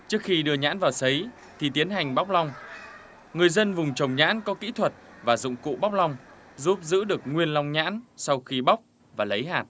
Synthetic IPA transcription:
t͡ɕɨ˦˥ək̚xi˧ɗɨ˧əɲa̰ː˧˥nvaː˨˩wsə˨˦j | t̪ʰi˨˩t̪i˨˦ənɦa˨˩jŋ̟ɓa˦˥k͡p̚lɔ˧wŋ͡m | ŋɨ˨˩əjzə˧nvʊ˨˩ŋ͡mt͡ɕə˨˩wŋ͡mɲa̰ː˧˥nkɔ˨˦kḭ˧˥t̪ʰwə˨˩t̚vaː˨˩zʊ̰˧˨ŋ͡mkṵ˧˨ɓa˦˥wk͡p̚lɔ˧wŋ͡m | zu˦˥p̚zɨ̰˧˥ɗɨ˨˩ək̚ŋwi˧ənla˧wŋ͡mɲa̰ː˧˥nsɔ˧wxi˧ɓa˦˥wk͡p̚ | vaː˨˩lə˨˦jɦaː˨˩t̚

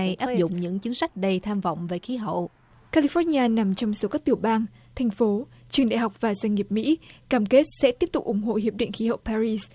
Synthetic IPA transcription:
jʔaː˦˥p̚zʊ̰˧˨ŋ͡mɲɨ̰˧˥ŋt͡ɕɨ˨˦ŋsa˦˥jk̟̚ɗə˧jt̪ʰaː˧mv̰wŋ͡mve˨˩xi˨˦ɦə̰˧˨w | kaː˧li˧fɔ˧˥ɲaː˧na˨˩mt͡ɕɔ˧wŋ͡mso˨˦kaː˦˥k̚t̪ɨ˨˩əwɓaː˧ŋ | t̪ʰa˨˩jŋ̟fo˨˦ | t͡ɕɨ˨˩əŋɗa̰˧˨jɦa˨˩wk͡p̚vaː˨˩zwa˧ŋ̟ŋi˨˩əp̚mḭ˧˥kaː˧˩mke˦˥t̚sɛ̰˧˥t̪i˦˥əp̚t̪ʊ˨˩k͡p̚ʔʊ˨˩ŋ͡mɦo̰˧˨hi˨˩əp̚ɗḭ˧˨ŋ̟xi˨˦hə̰˧˨wpaː˧ɾi˧s

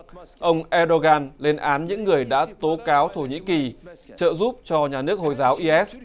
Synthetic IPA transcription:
ʔə˧wŋ͡mʔɛ˧ɗo˧ɣaː˧nle˧nʔaː˨˦nɲɨ̰˧˥ŋːɨ˨˩əjɗa̰ː˧˥t̪o˨˦kaː˨˦wt̪ʰo˧˩ɲḭ˧˥ki˨˩t͡ɕə̰ː˧˨zu˦˥p̚t͡ɕɔ˧ɲaː˨˩nɨ˦˥ək̚ho˨˩jzaː˨˦wʔi˧ʔɛ˦˥s̚

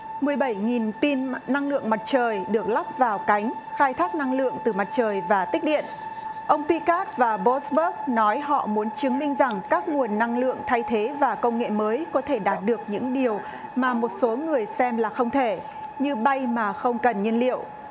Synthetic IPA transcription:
mɨ˨˩əjɓə˧˩jŋi˨˩nt̪i˧nːa˧ŋlɨ̰˧˨əŋma˨˩t̚t͡ɕəː˨˩jɗɨ˨˩ək̚la˦˥p̚vaː˨˩wka˨˦jŋ̟xaː˧jt̪ʰaː˦˥k̚na˧ŋlɨ̰˧˨əŋt̪ɨ˨˩ma˨˩t̚t͡ɕəː˨˩jvaː˨˩t̪ï˦˥k̟̚ɗḭ˧˨ənʔə˧wŋ͡mpi˧kaː˦˥t̚vaː˨˩ɓo˦˥sɓə˦˥k̚nɔ˨˦jɦɔ̰˧˨mu˨˦ənt͡ɕɨ˨˦əŋmï˧ŋ̟za˨˩ŋkaː˦˥k̚ŋu˨˩ənːa˧ŋlɨ̰˧˨əŋt̪ʰa˧jt̪ʰe˨˦vaː˨˩kə˧wŋ͡mŋḛ˧˨məː˨˦jkɔ˨˦t̪ʰe˧˩ɗaː˨˩t̚ɗɨ˨˩ək̚ɲɨ̰˧˥ŋɗi˨˩əw | maː˨˩mo˨˩t̚so˨˦ŋɨ˨˩əjsɛ˧mlaː˨˩xə˧wŋ͡mt̪ʰe˧˩ | ɲɨ˧ɓa˧jmaː˨˩xə˧wŋ͡mkə˨˩nɲi˧nlḭ˧˨əwʔ

